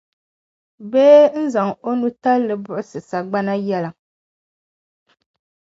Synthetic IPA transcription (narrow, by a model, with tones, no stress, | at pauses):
beː˦n̩˦za˨ŋo˦nu˦ta˦lːɨ˨bʊ˦ʔʊ˦sɨ˨sa˨ɡ͡ba˦na˦jɛ˦la˨